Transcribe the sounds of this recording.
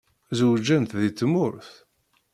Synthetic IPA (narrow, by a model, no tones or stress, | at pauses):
zəwd͡ʒːænt̪ðit͡s̪ːmʊɾθ